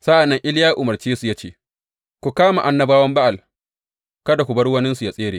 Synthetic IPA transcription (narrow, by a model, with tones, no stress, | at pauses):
sa˦ʔa˨nːɐ˦ŋʔɪ˦ljaː˦ʔʊ˨mɐ˨rt͡ʃeː˦su˨ja˦t͡ʃeː˦ | kʷu˨kaː˦ma˨ʔa˨nːɐ˦baː˦wɐ˦mba˦ʔa˨l | kɐ˦da˨kʷu˨bɐ˦ɽwɐ˦nɪ˦nsu˨ja˦sʼeː˦ɾeː˨